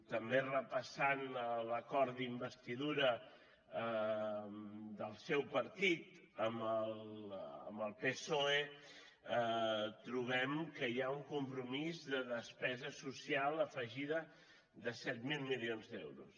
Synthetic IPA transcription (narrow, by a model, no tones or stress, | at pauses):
t̪əmberəpəsanələkɔɾd̪imbəst̪iðuɾə | ə | d̪əlˠsɛwpəɾt̪it̪ | əmələ̰mbəlˠpesoe | t̪ɾuβ̞ɛmkəjauŋkumpɾumizðəðəspɛzəsusialˠəfəʒiðə | ðəsɛt̪milˠmilionzd̪ɛwɾṵs